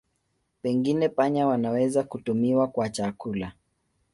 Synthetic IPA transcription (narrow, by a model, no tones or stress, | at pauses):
pɛŋɡinɛpaɲawanawɛzakutumiwakwat͡ʃakula